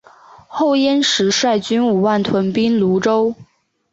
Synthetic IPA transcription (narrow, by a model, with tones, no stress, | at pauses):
xo˥˩ʊjɛ˥nʂɻ̩˧˥ʂwa˥˩ɪt͡ɕy˥nu˨˩wa˥˩nt̪ʰwə˧˥npi˥nlu˧˥ʈ͡ʂo˥ʊ